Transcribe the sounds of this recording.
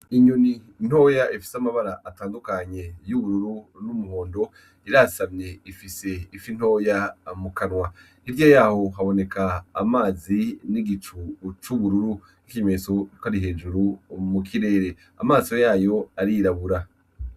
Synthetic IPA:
iɲuni | n̥ho̞jaʔifi̥samaβaɾaʔataːndukaɲe̞juβuɾuɾunumuhoːndo̞ | iɾasamɲe̞ifise̞ifin̥ho̞ːjamukanwa | iɾjajaːho̞ɦaβo̞ne̞kaːmaːziniɡit͡ʃut͡ʃuβuɾuɾu | ikime̞sokaɾiɦeːd͡ʒuɾumukʰiɾe̞ːɾe̞ | a̰maːsojaːjo̞aɾiɾaβuɾa

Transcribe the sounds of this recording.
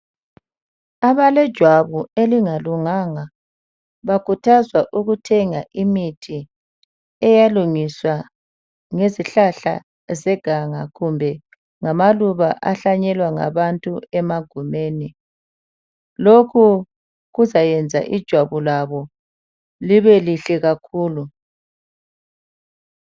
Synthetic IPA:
aβalɛd̥ʒ̥ʱwaβueliŋaluŋaŋa | βakʰutʰazwaʔuɣutʰɛŋaʔimitʰi | ɛjaluŋiswa | ŋeziɬaɬa̰ | zɛɡ̥ʱaŋaɣumbʱɛ | ŋamaluβaʔaɬaɲɛlwaŋa̰βantʼuɛmaɡ̥ʱumeːni | lokʰu | ɣuzajɛnd͡zʱa̰ʔid̥ʒ̥ʱwaβulaβɔ | liβɛliɬɛɣakʰuːlu

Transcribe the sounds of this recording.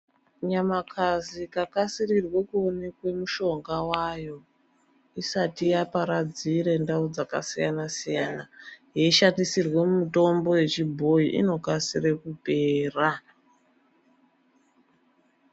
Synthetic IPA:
ɲamakʰazikakasirirwe̞kuonekwe̞muʃo̞ŋɡawajo̞ | isatijapaɾad͡ziɾe̞ndaud͡zaka̰sijanasijanajeiʃandisirwe̞mumito̞mbo̞je̞t͡ʃibʱo̞iʔḭno̞kasirekupe̞ːra

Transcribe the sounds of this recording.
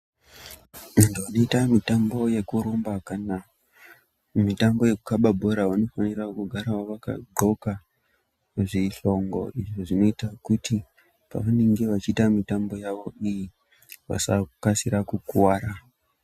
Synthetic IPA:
mantuano̞itamitambo̞je̞kuɾombakana | mitambo̞je̞kukaɓabʱo̞ɾawano̞fanirakuɡʱaɾawaʋaka̰ɡ͡ǃo̞ka | ʐiɬo̞ŋɡo̞̰ʔiʐoʐino̞itakutʰi | pa̰ʋane̞ŋɡe̞ʋat͡ʃiːtamitambo̞jaʋo̞iji | ʋa̰sakasiɾakukuwaːɾa

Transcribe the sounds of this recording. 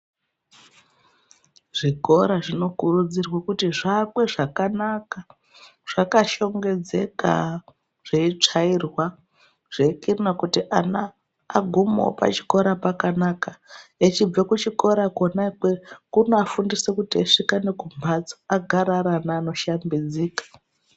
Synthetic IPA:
ʐ̥iko̞ɾaʐino̞kurud͡zirwakutiʐakwe̞ʐakanaka | ʐ̥akaʃo̞ŋɡe̞d͡zeka̰ | ʐ̥eit͡ʂairwa | ʐ̥ekirnakutiʔanaː | ɡʱumo̰o̰pa̰t͡ʃi̥ko̞ɾapakanakaet͡ʃib͡vakut͡ʃiko̞ɾakonakwekunoafundisekutiaʂikanekumbʱad͡zo̥aɡʱaɾaɾanaːno̞ʃambid͡ziːkḁ

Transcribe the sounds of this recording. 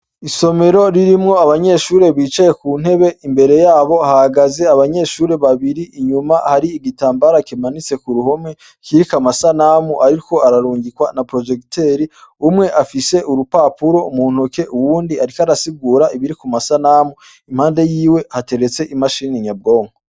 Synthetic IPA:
iso̞me̞ɾo̞ɾiɾimŋo̞aβaɲe̞ʃuːɾe̞βiːt͡ʃajekuːn̥he̞βe̞ʔimbe̞ɾe̞jaːβo̞hahaɡaze̞aβaɲe̞ːʃuːɾe̞βaβiɾiʔːɲumahaɾiːɡitaːmbaɾakimanit͡se̞kuɾuho̞mŋe | kiɾikamasanamuʔaɾiiko̞aɾaɾuːɲɟikwanapɾo̞d͡ʒekte̞ɾiumŋe̞ʔafise̞ʔuɾupaːpuɾo̞umuːn̥uke̞ʔuwuːndiaɾikaɾasiɡuːɾaiβiɾikumasanamu | im̥haːnde̞jiːwe̞hate̞ɾe̞t͡se̞ʔimaʃiːniɲab̚ɡo̞ːŋo

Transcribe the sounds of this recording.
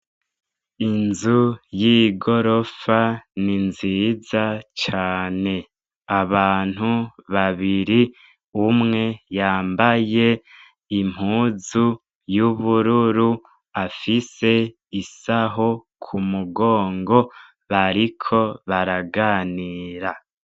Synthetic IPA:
inzujiɡo̞ɾo̞faninziːzat͡ʃaːne̞ | aβaːn̥huβaβiɾi | umŋe̞jaːmbaje̞ | im̥huːzu | juβuɾuɾu | afise̞ | isaɦo | kʰumuɡo̞ːŋɡo̞ | βaɾikʰo̞βaɾaɡaːniːɾa

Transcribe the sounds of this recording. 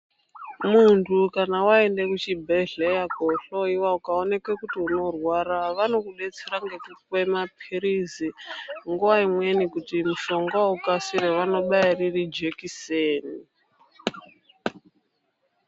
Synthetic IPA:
muntʰukanawae̞nde̞kut͡ʃibʱeɮejakoɬoiwaukaone̞kwekutiuno̞rwaraʋano̞kuɓe̞t͡seɾaŋɡe̞kuwe̞mapʰiɾiziŋɡuwaimwe̞nikutimuʃo̞ŋɡaukasiɾeʋano̞ɓairirid͡ʒekiseːni

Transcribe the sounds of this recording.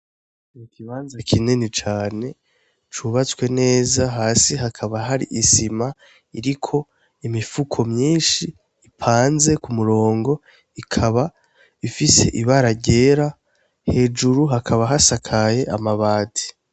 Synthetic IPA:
mukʰiβaːnzakʰinenit͡ʃaːne̞ | t͡ʃuβat͡skwe̞ne̞ːzaɦaːsiɦakʰaβaɦaɾḭʔisima | iɾikʰo̞ | imifukʰo̞mɲiːnʃiː | pʰaːnze̞kumuɾo̞ːŋɡo̞ | ikʰaβa | ifise̞̰ʔiβaɾaɟe̞ːɾa | he̞d͡ʒuɾuɦakʰaβaɦasakʰajeʔamaβaːtʰi̥

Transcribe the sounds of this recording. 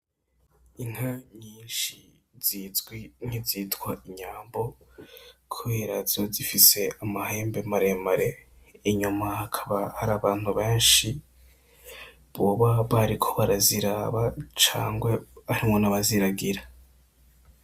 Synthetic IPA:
iŋ̥haɲiːnʃi | z̥izɡwiŋ̥iziːtɡwaiɲaːmbo̞ | kʰuβeːɾazozifise̞amahe̞ːmbe̞maɾe̞maɾe̞ː | ɲumahakʰḁβahaɾaːβaːn̥huβe̞ːnʃi | βoβaβaɾikʰo̞βaɾaziɾaːβat͡ʃa̰ːŋɡwe̞aɾimŋo̞naβaziɾaɡiɾa

